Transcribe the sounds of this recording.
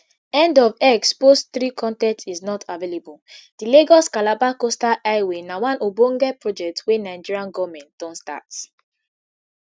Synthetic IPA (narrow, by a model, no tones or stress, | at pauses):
ɛ̃ndɔvɛkspostθɹikʰɔ̃ntɛ̃ntsiznɔtʰavelebuld̥ileɡɔskalabakostaʔaɪwenawãnobõŋɡɛpɹɔd͡ʒɛk̚twenaɪd͡ʒiɹiãnɡɔvmɛ̃nt̚d̥ɔ̃nsta̰ts